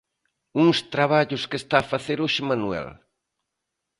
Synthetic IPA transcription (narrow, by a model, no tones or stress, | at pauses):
uŋst̪ɾaβaʎʊskest̪aːfaθeɾoʃemanuɛ̰l